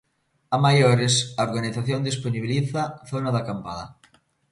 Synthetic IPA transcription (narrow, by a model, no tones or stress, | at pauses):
amajoɾɪsaoɾɣaniθaθjond̪isponiβiliθaθonaðakampaða̰